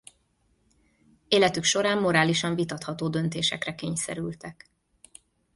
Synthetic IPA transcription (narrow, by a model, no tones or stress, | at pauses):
eːlɛt̪ykʃo̞ɾaːmːo̞ɾaːliʃɒɱvit̪ɒt̪hɒt̪oːd̪ø̞nt̪eːʃɛ̰krɛkeːɲsɛ̰ɾylt̪ɛk